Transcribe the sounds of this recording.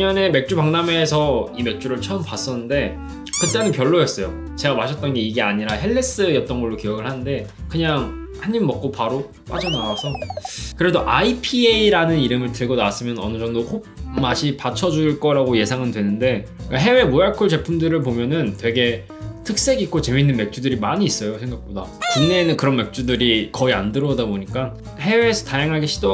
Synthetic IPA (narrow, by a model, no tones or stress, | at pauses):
ɲʌne̞me̞k̚t͡ɕ͈upaŋname̞sʰʌime̞k̚t͡ɕ͈uɾɯɭt͡ɕʰʌɯmpas͈ʌnɯnde̞ | kɯt͈e̞nɯnpjʌɭːojes͈ʌjo | t͡ɕe̞ɡamaɕʰʌt͈̚ʌnɡe̞iɡe̞aɲiɾaɦe̞ɭːe̞s͈ɯjʌt̚t͈ʌnɡʌɭːokijʌɡɯɭhanɯnde̞kɯɲaŋ | haɲːimmʌk̚k͈opaɾo | p͈a̰d͡ʑʌnawasʰʌkɯɾe̞doʔaipʰieiɾanɯniɾɯmɯɭtɯɭɡonaas͈ɯmjʌnʌ̰nɯd͡ʑʌŋdokok̚maɕʰipat͡ɕʰʌd͡ʑuɭk͈ʌɾaɡoje̞sʰaŋɯndwe̞nɯnde̞kaɦe̞we̞mojaɭkʰoɭt͡ɕe̞pʰumdɯɾɯɭpomjʌnɯntwe̞ɡe̞ | tʰɯk̚s͈e̞ɡik͈ot͡ɕe̞minːɯnme̞k̚t͡ɕ͈udɯɾimaɲiːs͈ʌjosʰeŋɡak̚p͈odat͡ɕunnːeːnɯnkɯɾʌnme̞k̚t͡ɕ͈udɯɾikʌiandɯɾʌdaboɲik͈a | ɦe̞we̞ːsʰʌtajaŋɦaɡeɕʰido